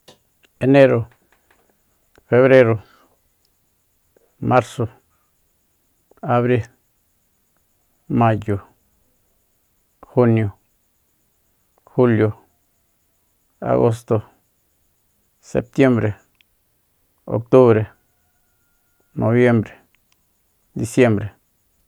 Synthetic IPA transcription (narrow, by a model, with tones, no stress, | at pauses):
e˨ne˦ɾo˨ | fe˧βɾe˦ɾo˨˧ | ma˦ɾso˨ | a˨βɾi˦l | ma˦jo˨ | xu˦njo˨ | xu˦ljo˨ | a̰˨ɣo˦s̬t̪o˨ | sḛ˨p̚t̪je˦mbɾe˨ | o̰˨k̚t̪u˦βɾe˨ | nʔo˨βje˦mbɾe̥˨ | d̪i˧sje˦mbɾe˨